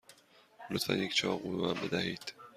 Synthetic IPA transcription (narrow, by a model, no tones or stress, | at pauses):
lot̪fæ̰njecʰt͡ʃʰɒːɣubemæmbe̞d̪æhiːd̪̥